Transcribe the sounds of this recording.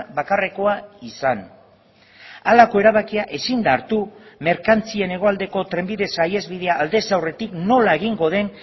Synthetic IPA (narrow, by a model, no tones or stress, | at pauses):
βakareko̞aisan | alako̞e̞ɾaβakiaʔe̞sind̪aɾt̪ume̞ɾkant͡sie̞ne̞ɣ̞o̞ald̪e̞ko̞t̪ɾe̞mbiðe̞saje̞zβið̞e̞aːld̪e̞sawre̞t̪ikno̞lae̞ɣ̞iŋɡo̞ð̞e̞n